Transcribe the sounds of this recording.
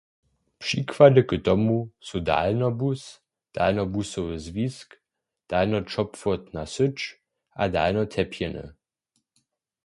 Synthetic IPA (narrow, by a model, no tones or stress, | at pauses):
pʂikʰvadəkət̪ɔmusuda̰lnɔbus | d̥alnɔbusɔʋəzvisk | d̥alnɔt͡ʃɔpfɔt̪nasɨt͡ʃ | ʔada̰lnɔt̪ʰɛpʰjɛnə̰